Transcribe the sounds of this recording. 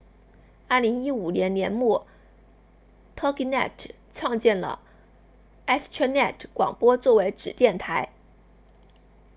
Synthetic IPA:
a˥˩li˧˥ŋi˥u˨˩njɛ˧˥nnjɛ˧˥nmu˥˩ | t̪ʰɤ˥ki˧˥nɛ̰˥˩ʈ͡ʂʰ | t͡sʰɑ˥˧ŋt͡ɕjɛ˥˩nlə̰˩ | ɛ˥st͡ɕʰɛ˥nɛ˥˩ʈ͡ʂʰkwɑ̰˨˩ŋpwɔ˥t͡swɔ˥˩we˧˥ɪʈ͡ʂɻ̩˨˩t̪jɛ˥˩nt̪ʰa˧˥ɪ

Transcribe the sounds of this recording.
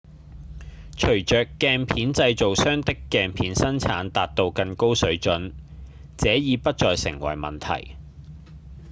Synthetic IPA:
t͡ʃʰɵ˨˩ɥt͡ʃœː˨kːɛː˧npʰiː˨˥nt͡sɐ˧jt͡so˨wsœː˥ŋt̪ɪ˥kːɛː˨˧npʰiː˨˥nsɐ˥nt͡sʰaː˨˥nt̪aː˨t̚t̪o˧wkɐ˧nko˥wsɵ˨˥ɥt͡ʃɵ˨˥n | t͡sɛː˨˥jiː˨˧pɐ˥t̚t͡sɔː˨jsɪ̰˨˩ŋwɐ̰˨˩jmɐ̰˨nt̪ʰɐ̰˨˩j

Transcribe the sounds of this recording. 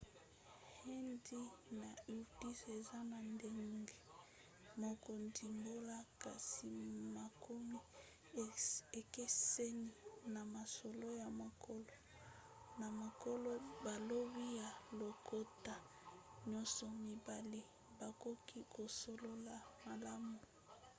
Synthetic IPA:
he˦ndi˦na˨i˨ti˦se˨za˦na˨nde˦ŋɡe˦ | mo˨ko˨ndi˨mbo˦la˦ka˨si˨ma˨kʰo˦mi˦˨ | e˨ke˦se˦ni˦na˨ma˨so˨lo˦ja˨mo˨kʰo˦lo˨ | na˨ma˨ko˦lo˦ba˨lo˦bi˦ja˨lo˨kʰo˦ta˨ | ɲɔ˦nsɔ˨mi˨ba˨le˦ | ba˨ko˦kʰi˦ko˨so˨lo˦la˨ma˨la˦mu˨

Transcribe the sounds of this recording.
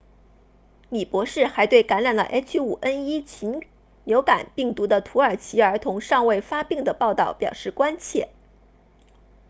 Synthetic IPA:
li˨˩pwɔ˧˥ʂɻ̩˥˩xa˧˥ɪt̪we˥˩ɪka˧˥nɻa˨˩nlə̰˩ʔt͡ɕʰy˥u˨˩ʔə˥ni˥t͡ɕʰi˧˥n | ljo˧˥ʊka̰˨˩npi˥˩ŋt̪u˧˥d̪ə˧t̪ʰu˧˥ə˞˨˩t͡ɕʰi˧˥ə˞˧˥t̪ʰʊ˧˥ŋʂɑ˥˧ŋwe˥˩ɪfa˥pi˥˩ŋd̪ə˩pɑ˥˧ʊt̪ɑ˥˩ʊpjɑ˨˩ʊʂɻ̩˥˩kwa˥nt͡ɕʰjɛ̰˥˩

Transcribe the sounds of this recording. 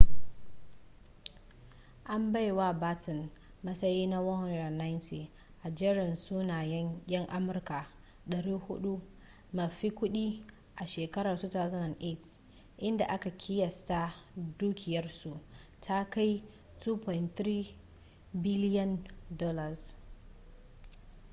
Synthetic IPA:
ʔa˦mba˦jwa˦baː˦tɪ˨n | mɐ˦sɐ˦jiː˦na˦wɐ˦hn˨a˨na˦jntʰi˨ | ʔa˨d͡ʒɛ˦ɽɪ˨nsuː˦naː˨jɛ˦ŋkʲʼɪ˦ŋʔa˦mʊ˨rka˨ | ɗɐ˨ɾiː˦hʊ˦ɗu˦ | mɐ˨ɸi˦kʷʊ˦ɗi˦ | ʔa˨ʃeː˨kɐ˦ɾa˨rsu˦taː˨zɪ˦nɐ˨ŋʔe˦˨t | ʔɪ˦nda˨ʔa˦ka˨kʲʰɪ˦jɐ˨sta˦duː˦kʲɪ˨jɐ˦rsu˨ʔ | tʰa˦ka˦j | tu˦pɔ˨ɪ˨ntɾiː˦ | bɪ˦lɪ˦jɔ˦ndɔː˦lɐ˨s

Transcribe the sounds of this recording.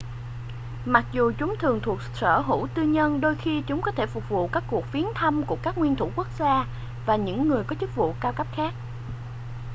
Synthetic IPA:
ma˨˩k̚zu˨˩t͡ɕʊ˨˦ŋ͡mt̪ʰɨ˨˩əŋt̪ʰu˨˩ək̚sə̰ː˧˩ɦṵ˧˥t̪ɨ˧ɲə˧nɗo˧jxi˧t͡ɕʊ˨˦ŋ͡mkɔ˨˦t̪ʰe˧˩fʊ˨˩k͡p̚vṵ˧˨kaː˦˥kːu˨˩ək̚fi˨˦ənt̪ʰə˧mku˧˩əkaː˦˥k̚ŋwi˧ənt̪ʰṵ˧˩ku˦˥ək̚zaː˧ | vaː˨˩ɲɨ̰˧˥ŋːɨ˨˩əjkɔ˨˦t͡ɕɨ˦˥k̚vṵ˧˨kaː˧wkə˦˥p̚xaː˦˥k̚

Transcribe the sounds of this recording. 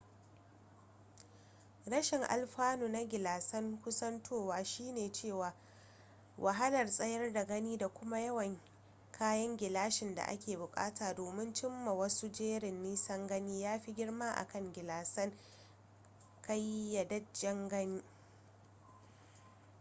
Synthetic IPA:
ɽɐ˦ʃɪ˨ŋʔa̰˨lɸaː˦nuː˨na˦ɡʲɪ˨laː˨sɐ˦ŋkʷʊ˦sɐ˦ntʰoː˦˨waː˨ʃiː˦neː˨t͡ʃeː˦˨waː˨ | wʔa˨ɦa˦lɐ˨rsʼɐ˦jɐ˦rda˨ɡɐ˦niː˦da˨kʷʊ˦ma˦jɐ˦wɐ˨ŋ | kʰaː˦jɐ˦ŋɡʲɪ˨laː˦ʃɪ˨nda̰˨ʔa̰˦kʲeː˨bʊ˨kʼa̰ː˦taː˨doː˨mɪ˦nt͡ʃɪ˦mːa˨wɐ˦su˦d͡ʒeː˦ɽɪ˨nːiː˦sɐ˦ŋɡɐ˦niː˦jaː˦ɸi˦ɡʲɪ˦ɽma˦ʔa̰˨kɐ˦ŋɡʲɪ˨laː˨sɐ˦ŋ | ka˦jːa˨dɐ˦d͡ʒɐ˦ŋɡɐ˦niː˦

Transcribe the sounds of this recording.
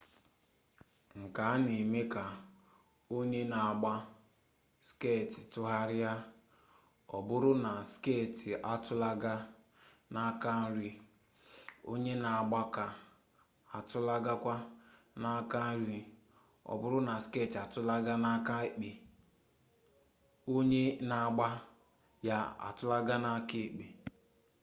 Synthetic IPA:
ŋ̩˨ka˨˦ne˨me˦ka˨ | o˦ɲe˦na˨a˨ɡ͡ba˦ | ske˦˨ti˨tʊ˦ɦa˦ɾɪ˦ja˦ | ɔ̰˨bʊ˦ɾʊ˦na˨skeː˦˨ti˨ʔa˨tʊ˦la˦ɡa˦ | na˦ka˦n̩˦ɾi˦ | o̰˦ɲe˦na˨a˨ɡ͡ba˦ka˨ | a˨tʊ˦la˦ɡa˦kʷa˦ | na˦ka˦n̩˦ɾi˨ | ɔ̰˨bʊ˦ɾʊ˦na˨ske˦˨ti˨a˨tʊ˦la˦ɡa˦na˦ka˦e˦k͡pe˨ | o˦ɲe˦na˨a˨ɡ͡ba˦ | ja˦a̰˨tʊ˦la˦ɡa˦na˦ke˦˨k͡pe˨

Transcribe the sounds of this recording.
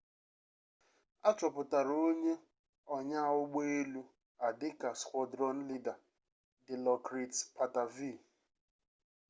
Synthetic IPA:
a˦t͡ʃɔ˨pʊ˨ta˨ɾo˦ɲe˦ | ɔ˨ɲa˦ʊ˦ɡ͡be˦e˦lu˦ | a˨dɪ˦ka˨skʷɔ˨dɾɔ˦n̩˦li˦da˨ | dɪ˨lɔ˨kɾi˨tpa˨ta˨vi˦˨

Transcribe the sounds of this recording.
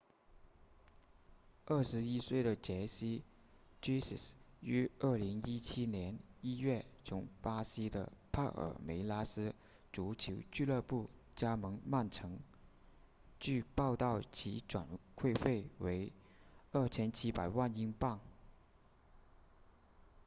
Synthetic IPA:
ə˥˩ʂɻ̩˧˥i˥swe˥˩ɪɾə˩t͡ɕjɛ˧˥ɕi˥ | ʈ͡ʂi˥sḭ˨˩sy˧˥ə˥˩li˧˥ŋi˥t͡ɕʰi˥njɛ˧˥ni˥ɥɛ˥˩t͡sʰʊ˧˥ŋpa˥ɕi˥d̪ə̰˨pʰa˥˩ʔə̰˨˩me˧˥ɪla˥sɹ̩˥ | ʈ͡ʂu˧˥t͡ɕʰo˧˥ʊt͡ɕy˥˧lɤ˥˧pu˥˩t͡ɕja˥mɤ˧˥ŋma˥˩nʈ͡ʂʰɤ˧˥ŋ | t͡ɕy˥˧pɑ˥˧ʊt̪ɑ˥˩ʊt͡ɕʰi˧˥ʈ͡ʂwa˨˩nkʰwe˥˧ɪfe˥˩ɪwe˧˥ɪ | ə˞˥˩t͡ɕʰjɛ˥nt͡ɕʰi˥pa˨˩ɪwa˥˧ni˥ŋpa˥˩ŋ

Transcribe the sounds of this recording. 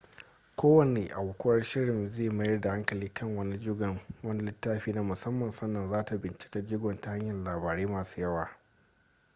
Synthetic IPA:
kʷʰoː˦wɐ˨neː˨ʔa˨wʊ˨kʷʊ˦wɐ˦rʃɪ˦ɽɪ˨mzeː˦˨ma˦jɐ˦rda˨ha˦ŋkɐ˨liː˦kʰɐ˦ŋwɐ˦ni˦d͡ʒɪ˦ɡɐ˨ŋwɐ˦ni˦lɪ˦tːaː˦ɸiː˦na˦mʊ˨sɐ˦mːɐ˨nsɐ˦nːɐ˨nzaː˦ta˨bɪ˨nt͡ʃɪ̥˦ka˦d͡ʒɪ˦ɡɔ˨nta˨ha˦ɲjɐ˨llaː˨baː˨ɽeː˦maː˨su̥ː˦jɐ˦waː˨

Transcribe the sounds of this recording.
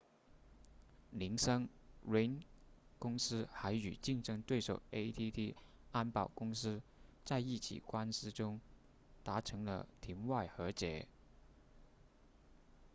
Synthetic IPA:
li˧˥ŋʂɤ˥ŋɹe˥nkʊ˥ŋsɹ̩˥xa˧˥ɪy̰˨˩t͡ɕi˥˧ŋʈ͡ʂɤ˥ŋt̪we˥˩ɪʂo˨˩ʊe˥t̪ʰi˥t̪ʰi˥ | a˥npɑ˥˩ʊkʊ˥ŋsɹ̩˥t͡sa˥˧ɪi˥˩t͡ɕʰḭ˨˩kwa˥nsɹ̩˥ʈ͡ʂʊ˥ŋ | t̪a˧˥ʈ͡ʂʰɤ˧˥ŋlə̰˧t̪ʰi˧˥nwa˥˩ɪxɤ˧˥t͡ɕjɛ̰˧˥˦

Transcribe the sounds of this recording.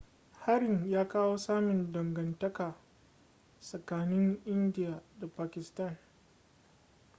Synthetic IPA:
ha˦ɾɪ˨ŋjaː˦kaː˦woː˦saː˦mɪ˨ndɐ˨ŋɡɐ˨ntɐ˦kaː˨ | sɐ˨kaː˨nɪ˦ŋʔɪ˦ndɪ˦jaː˨da˨paː˨kʲɪ˨stɐ˦˨n

